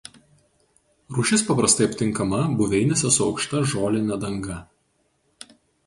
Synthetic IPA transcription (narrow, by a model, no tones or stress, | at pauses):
ɾuːʃʲɪspɐpɾɐst̪ɐɪɐpʲt̪ʲɪ̃ŋˑkɐmɐbʊʋʲɛɪnʲɛsʲɛsʊɒʊkʃt̪ɐʒoːlʲɪnʲɛd̪ɐŋɡɐ